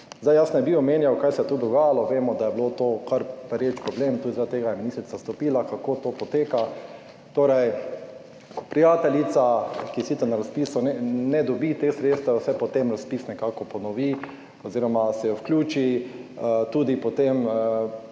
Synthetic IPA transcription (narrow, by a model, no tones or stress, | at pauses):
zd̪ajasnɛbiɔmeːnjawkajsɛɛt̪od̪ɔɡaːjalɔʋeːmɔd̪ajɛblot̪oːkaɾpɛɾjet͡ʃpɾɔblemt̪uːd̪zɾad̪t̪eːɡajɛminist̪ɾit̪sast̪ɔpiːlakakoːt̪oːpɔt̪eːka | t̪oːɾɛj | kɔ̥pɾijaːt̪ɛlit̪sakisit̪ɛɾnaɾaspiːsunɛnɛd̪ɔbit̪exsɾeːt̪st̪ʋɛsɛpɔt̪emɾaspisnɛkaːkɔpɔnɔʋi | ɔziːɾɔmasɛjɔwklʲuːt͡ʃi | t̪uːd̪ipɔt̪em